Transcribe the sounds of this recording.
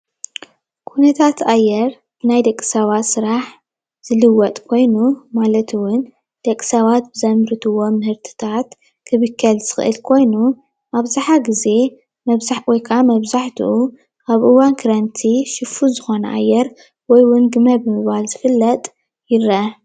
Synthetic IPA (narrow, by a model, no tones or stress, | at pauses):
kʰunɐt̪ʰat̪ʔajːɛɾ | b̥ɨnajd̪ɐkʼːi̥sɐβat̪sɨɾaħ | z̥ɨlɨwɔt̪ʼkʰo̞jnumalɐt̪ʰɨwʊn | d̪̥ɐkʼːi̥sɐβat̪̚bɨzɐmɾɨt̪ʰɨwo̞mɨhɨɾt̪ʰɨ̥t̪ʰat̪ | kʰɨβɨkʰːɐlz̥ɨxɨ̰ʔɨ̰lkʰo̞jnu | ʔaβzaħaɡize̞ | mɐzwɔjkʰamɐβzaħt̪ʰṵʔu | ʔaβʔɨwankʰɨɾɐnt̪ʰiʃɨfuzɨxo̞nɐ̰ʔa̰jːɛɾ | wɔjwʊnɡɨmɐbɨmɨβalzɨfɨlːɐt̪ʼ | jɪɾɐɐ